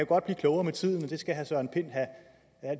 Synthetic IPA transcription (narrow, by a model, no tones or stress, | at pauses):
æɡ̥ɒ̽d̥b̥liːkʰlɔʊɐːmet͡sʰið̞̰ˠn̩mend̥e̝sɡ̥æɦæsɒ̽e̝npʰe̝n̰ɦæ | æl̰